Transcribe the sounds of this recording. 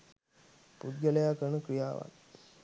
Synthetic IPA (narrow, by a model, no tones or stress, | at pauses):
pud̪̚ɡəlejakəɳəkɾijaːʋa̰t̪